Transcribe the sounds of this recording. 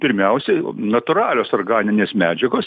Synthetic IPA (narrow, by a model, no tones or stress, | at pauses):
pʲɪɾʲmʲɛʊsʲɛnɐt̪ʊɾɑːlʲoːsoːɾɡɑːnʲɪnʲeːsmʲæːd͡ʒʲɛɡoːs